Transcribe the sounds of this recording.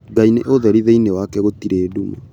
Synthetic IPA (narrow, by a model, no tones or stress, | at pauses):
ɡaineʔoðɛɾiðeinewakɛɣotiɾeːduma̰